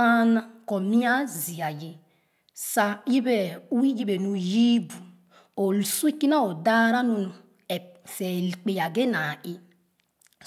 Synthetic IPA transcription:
a˦na˦ko˨mi˦a˦zi˨a˨je˨ | sa˦ji˦be˨u˦i˦ji˦be˨nu˨ji˦bu˨ | o˨lu˨su˦i˦ki˦na˦o˨da˦ɾa˦nu˨nu˨ | e˨fe˨lk͡pe˨ja˨ɡe˦na˨i˦

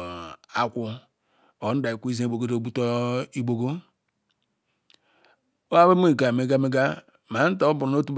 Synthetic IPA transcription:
a˨kʷu˨ | o˨˦n̩˦da˨i˨ku˦i˦ze˦i˨bo˨ɡo˦do˨bu˦to˦i˦bo˨ɡo˦ | o˦a˦be˦me˦˨ɡa˨me˨ɡa˦me˦ɡa˦ | ma˨˦n̩˦ta˨˦bu˨n˨˦o˦tu˦b

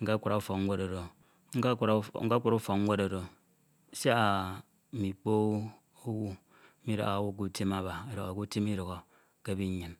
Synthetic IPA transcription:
ŋ̩˦ka˦kʷu˨ɾa˨˦u˦fo˨kŋ̩ʷ˦e˦ɾo˨ɾo˨ | ŋ̩˦˨˦ŋ̩˦a˦kʷu˨ɾu˦fo˨kŋ̩˦ŋʷe˦ɾo˨ɾo˨˦ | sa˦a˨ | mi˨k͡po˦ | o˦wu˦ | i˦ɾo̰˨ɣa˨wu˦k̬u˦ti˦ma˨ba˨e˨ɾo˨ɣo˨ku˦ti˦mi˦ɾo˨ɣo˨ | ke˦bi˦ɲi˨n

